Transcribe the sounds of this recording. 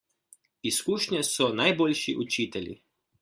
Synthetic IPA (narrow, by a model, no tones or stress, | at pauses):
iskuːʃɲɛsɔnajbolʲʃiʔut͡ʃiːt̪ɛlʲḭ